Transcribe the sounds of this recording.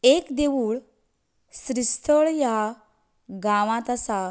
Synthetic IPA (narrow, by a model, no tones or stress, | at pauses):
ekd̪eʋuːɭ | sɾist̪ʰəɭja | ɡaʋãt̪asa